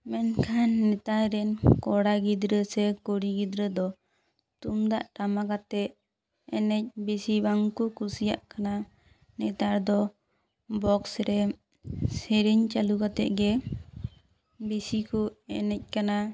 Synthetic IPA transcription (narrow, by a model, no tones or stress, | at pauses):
mɛnkʰanːɛt̪aɾɾɛnkɔɽaɡid̪ɾəsɛkoɽiɡid̪ɾəd̪ɔ | t̪umd̪a̰ʔʈamakat̪ɛʔ | ɛnɛc̚bisibaŋkukusija̰ʔkana | nɛt̪aɾd̪ɔ | bɔksɾɛ | sɛɾiɲt͡ʃalukat̪ɛ̰ʔɡɛ | bisikɔɛnɛc̚kana